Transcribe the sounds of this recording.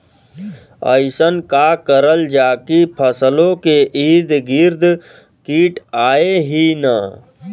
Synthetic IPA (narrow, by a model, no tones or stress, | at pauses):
ə̰ɪsənkakəɾəld͡ʒaːkipʰəslõkeʔiːd̪ɡɪɾd̪ | kiːʈaːeɦina